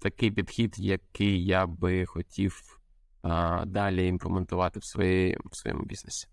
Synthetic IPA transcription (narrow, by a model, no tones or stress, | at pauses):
t̪ɐkɪjpʲid̪xʲid̪jɐkɪjːabɪxɔtʲʰiw | d̪ɑlʲiinplˠement̪ʊʋɑt̪ɪwsɔ̥sʋɔ̰jɔ̰mʊ̰bʲḭznesʲi̥